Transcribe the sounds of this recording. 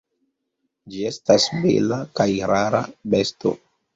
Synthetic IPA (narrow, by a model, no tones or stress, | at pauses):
d͡ʒie̞stasbḛlakajɾaɾabe̞sto̞̰